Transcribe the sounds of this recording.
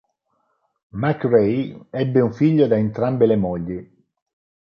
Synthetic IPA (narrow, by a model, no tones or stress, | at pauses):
makrejɛbːeuɱfiʎːod̪aent̪ɾambelemɔʎːi